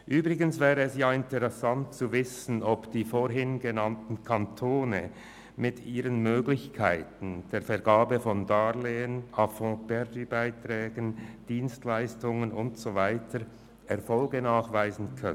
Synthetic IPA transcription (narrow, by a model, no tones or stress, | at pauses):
ʔyːbʁɪɡənsvɛːʁəɛsjaːɪntəʁɛsantt͡suvɪsən̩ɔpd̥iːfoɾɦɪnɡenantn̩kʰantʰoːnə | mɪtʰiːʁənmøːɡlɪçkʰaɪtn̩d̥eːɐfɛɾɡaːbəfɔndaleːənafɔ̃bɛɾdybaɪtʁɛːɡənd̥iːnstlaɪstʊŋənʊntsovaɪtʰəɾ | ʔɛʁfɔlɡənaːχvaɪzn̩kʰœ